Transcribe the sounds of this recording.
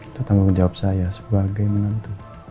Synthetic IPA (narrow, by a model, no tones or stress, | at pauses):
t̪ut̪aŋɡuŋd͡ʒawap̚sajasə̥baɡajmənant̪u